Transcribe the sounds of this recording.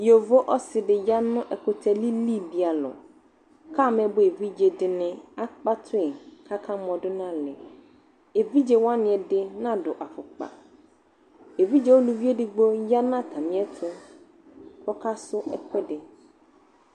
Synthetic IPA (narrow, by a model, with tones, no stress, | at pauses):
jo˨vo˦ʔɔ˦sɪ˨dɪ˨ja˦nʊ̃˦ʔɛ˨kʰʊ˦tʰɛ˦li˦li˦˨bi˨a˨lɔ̰˨ | kʰa˦˨mɛ̃˨bʊ˨e˨vi˦d͡ʑe˨dɪ˨nɪ̃˦a˦k͡pa˦tʰʊ˦ɪ˨kʰa˦kʰã˦m˦ɔ̃˨dʊ˦nã˦lɪ˨ | e˨vi˦d͡ʑe˨wa˦nɪ̃˨ɛ˨dɪ˦nã˦dʊ˨ʔa˨fʊ˨k͡pa̰˨ | e˨vi˦d͡ʑe˨˦wo˦lu˨vi˦e˦dɪ˨ɡ͡bo˦ja˦nã˦˨tʰã˨mɪ̃˦ɛ˦tʰʊ˦ | kʰɔ˦kʰa˦sʊ˦ɛ˨kʰɛ˦dɪ˨